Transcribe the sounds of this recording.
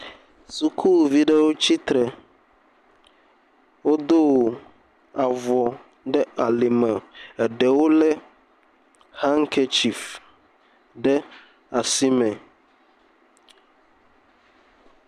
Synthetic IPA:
su˨kʰu˦˨vi˦ɖɛ˦wo˦t͡ɕi˦t̪ɾɛ˨ | wo˦d̪o˦˨ | a˨vɔ˨ | ɖɛ˦a˨li˨mã˨ɛ˨ɖɛ˨wo˦lɛ˦ | ha˦ŋ˦kʰɛ˦t͡ʃi˨f | ɖɛ˦ | a˨si˦mɛ̃˨

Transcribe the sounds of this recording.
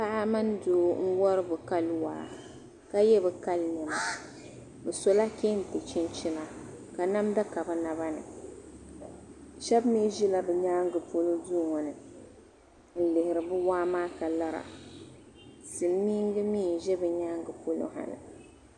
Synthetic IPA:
pa˦ʔa˦ma˦n˦doː˨˦n̩˦wɔ˦ɾɨ˦bɨ˨ka˦lwa̰ː˦ | ka˦jɛ˦bɨ˨ka˦lnɛ˨ma˨ | bɨ˨so˦la˦kʲe˦n̩˨tɨ˨t͡ʃi˦nt͡ʃi˦na˨ka˨na˦mda˦ka˨bɨ˨na˨βa˦nɨ̰˨ | ʃɛ˦bmi˦ʒi˦la˨bɛ˨ɲaː˦ŋɡɨ˨po˦lo˦duː˦˨ŋɔ˨nɨ˨ | n̩˦lɪ˨hɪ˨ɾɨ˨bɨ˦waː˦maː˦ka˨la˦ɾa̰˨ | sɨ˨mmi˦ŋ˦ɡɨ˦miː˦˨n˨ʒɛ˦bɨ˨ɲaː˦ŋɡɨ˨po˦lo̰˦ha̰˨nɨ̰˨

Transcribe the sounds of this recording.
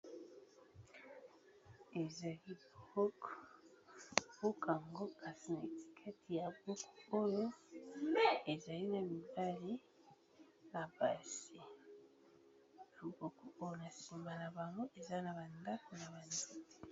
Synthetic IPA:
e˨za˨li˦bo˦k | bo˦ka˨ŋɡo˦kʰa˨si˨na˨e˨ti̥˨kʰe˦tʰi˨ja˨bu˦ku˨o˦jo˦ | e˨za˨li˦na˨mi˨ba˦li˦ | na˨ba˨si˨ | lu˨bo˨ku˦o˦jo˨na˨si˨mba˨na˨ba˨ŋɡo˦ʔe˨za˦na˨ba˨nda˦ko˨na˨ba˨ndi˦te̥˨

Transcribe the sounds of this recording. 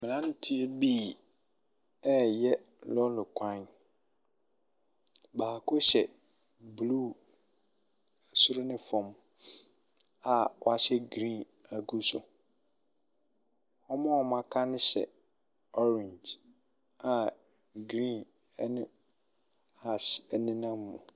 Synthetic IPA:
mɪ̃˨ã˦n˦tʰi˦e˦biː˦˨ | ɛ˦jɛ˦ | lɔ˦lʊ˨kʰã˦˨n | baː˨kʰʊ˦ɕɛ˨ | bluː˦˨ | sʊ˦ɾʊ˦nɪ̃˦fɔ̃˨m | a˨wɔ˦a˨ɕɛ˦ɡɾĩ˦˨n | a˨ɡu˦sʊ̰˨ | ɔ˦mã˦ɔ˨mã˨kʰa˦nɪ̃˦ɕɛ̰˨ | ɔ˦ɾɪ̃˨ɲd͡ʒ | a˨ | ɡɾĩ˦˨n | ɛ˦nɪ̃˦ | a˨sɛ˨nɪ̃˦nã˦mː˦ʊ̰̃˨

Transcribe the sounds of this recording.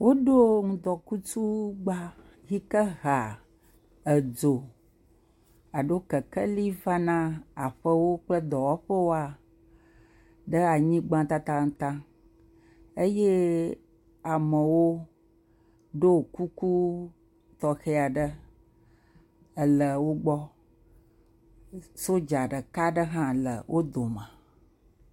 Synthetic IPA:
wo˦ɖo˦ŋũ˨d̪ɔ˨ku˦t͡ʃu˦ɡ͡ba˦ | ɣi˦kə˦ɣa˨ | ə˨d͡zo˨ | a˨ɖo˦kə˨kɛ˦li˦va˦nã˦a˨ɸə˦wo˦k͡plə˦d̪ɔ˨wɔ˦ɸə˦wo˦a˨ | ɖə˦a˨ɲĩ˦ɡ͡bã˦t̪a˦t̪a˦ŋ̩˨t̪ã˦ | e˦je˦ | a˨mə˨wo˦ | ɖo˦˨ku˦ku˦ | t̪ɔ˨xe˦a˨ɖə˦ | ə˨lə˨wo˦ɡ͡bɔ˦ | so˦d͡ʒa˨ɖə˨ka˦ɖə˦ɦã˦lə̰˨wʔo˦d̪o˨mə̃˨

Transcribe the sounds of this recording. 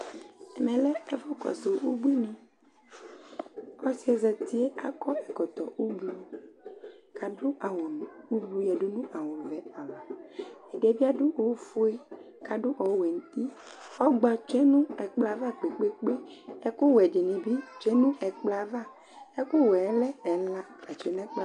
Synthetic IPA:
ɛ˨mɛ̃˨lɛ˦ɛ˦vɔ˦kɔ̰˨so˨u˦ɡ͡bu˦i˦nũ˨ | ɔ˦si˦ɛ˨zɛ˨t̪i˦e˦a˦kɔ˦ɛ˨kɔ˨t̪ɔ˨u˦ɡ͡bu˦ | ka˨ɖu˦a˨wo˨u˦bu˨jɛ˨ɖo˦nũ˦ʔa˨wo˨vɛ˨a˨va˨ɛ˨ɖe˨vi˦a˦ɖu˦ʔo˨wfu˦e˦ | ka˨ɖu˦ʔɔ˨wwɛ˨n˦t̪i˦ | ɔ˦ɡ͡ba˨t͡ʃɛ˦nũ˦ɛ˨k͡pla˨va˦k͡pe˨k͡pe˦k͡pe˦e˦ko˦wɛ˨d͡ʒi˨nĩ˨bi˦t͡ʃɛ˦nũ˦ʔɛ˨k͡pla˨va˦ | ɛ˦ko˦wɛ˨˦lɛ˦ɛ˨la˦ka˨t͡ʃe˨nɛ̃˦k͡pa˦

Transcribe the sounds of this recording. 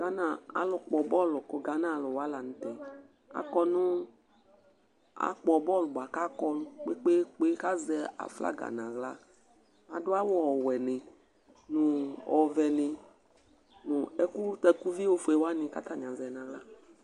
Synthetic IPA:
ɡa˦nã˨a̰˨lʊ˨k͡pɔ˨bɔ˦lʊ˨ko˨ɡa˨˦nã˦˨lʊ˨wa˦la˨ñ̩˨t̪ɛ˨ | a̰˨kɔ˦nũ˦ | a̰˨k͡pɔ˨bɔ˦lʊ˨ba˨ka˦kɔ˦nʊ̃˦k͡pe˦k͡pe˦k͡pe˦ka˦zɛ˨a̰˨fla̰˦ɡa̰˨nã˨ɣla˦ | a˨dʊ˦a˦wɔ˦ɔ˨wɛ˨nɪ̃˨ | nũ˨ɔ˨vɛ˨nɪ̃˨ | nũ˨ɛ˦ku˦t̪ɛ˦ku˦vi˦wo˦fu˨e˨wa˦nɪ̃˨ka˦t̪a˨ɲã˨zɛ˨nã˨ɣla˦

